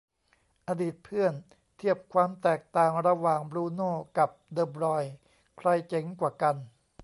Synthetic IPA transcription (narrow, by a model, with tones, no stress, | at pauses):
ʔaː˧diː˨˩t̪̚pʰɯ˥˩ən | t̪ʰi˥˩əp̚kʰwaː˧mt̪ɛː˨˩k̚t̪aː˨˩ŋɾa˧waː˨˩ŋbɾuː˧noː˥˩ka˨˩p̚dɤː˧bɾɔː˧j | kʰɾa˧jt͡ɕe˩˦ŋkwaː˨˩ka˧n